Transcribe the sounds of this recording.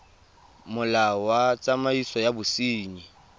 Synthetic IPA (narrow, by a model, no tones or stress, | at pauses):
mʊlawat͡sʼamaisɔjabʊsiːɲi